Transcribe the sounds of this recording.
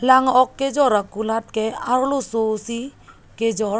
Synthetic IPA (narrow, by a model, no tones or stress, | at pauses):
laŋɔkːed͡ʒɔɾakulat̚kɛaɾlososi | ked͡ʒɔɾ